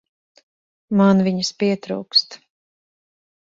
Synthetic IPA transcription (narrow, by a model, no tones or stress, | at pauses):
manviɲɨspiɛt̪ɾṵwkst̪